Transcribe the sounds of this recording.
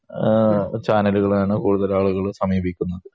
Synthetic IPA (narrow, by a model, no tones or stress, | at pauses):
t͡ɕaːnɐluɣɐɭaːɳɨkuːɽuðɐlaːɭuɣɐɭsɐmiːbʱikʲːunːɐðɨ